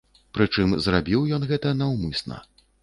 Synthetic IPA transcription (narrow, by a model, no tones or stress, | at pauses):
pɾɨt͡ʂɨmzrabʲiwjɔnɣɛt̪ɐnɐwmɨsnɐ̰